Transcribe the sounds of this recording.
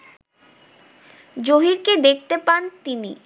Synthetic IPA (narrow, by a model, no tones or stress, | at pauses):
d͡ʑoɦiɾked̪ek̚ʰt̪epant̪ini